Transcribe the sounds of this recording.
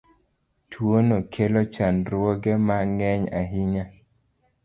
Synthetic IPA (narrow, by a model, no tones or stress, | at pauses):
tʰwonokʰelot͡ʃanɾwɔɡɛmaŋɛɲaɦiɲa